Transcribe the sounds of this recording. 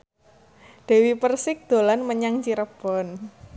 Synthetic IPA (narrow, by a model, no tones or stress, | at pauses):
d̪̥e̤wipərsɪk̚d̪̥o̤lanməɲaŋt͡ʃiɾəb̥ɔn